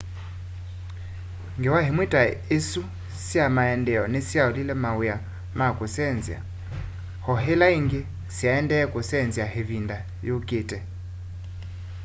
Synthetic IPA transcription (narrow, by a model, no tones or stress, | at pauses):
ŋɡewahemwetʼaesu | sjamaɛndɛɔnesjaolilɛmawuja | makʼosɛnzja̰ | hɔɦelaiŋɡe | sjaɛndɛkʼʊsɛnziaɦevinda | jokʼetʼɛ